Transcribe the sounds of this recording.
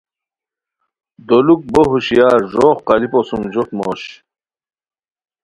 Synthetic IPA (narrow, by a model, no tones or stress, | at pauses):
d̪oluk̚boɦuɕijɑːɾʐoːχqɑliposumd͡ʑot̪moːɕ